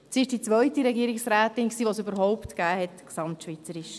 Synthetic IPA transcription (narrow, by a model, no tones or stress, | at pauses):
siɪʃd̥it͡sʋœʏtiɾɛɡiːəɾɪksɾæːt̪ɪnksiːʋosøbəɾɦɔʊptɡ̥æːhɛtksɑmtʃʋit͡səɾɪʃ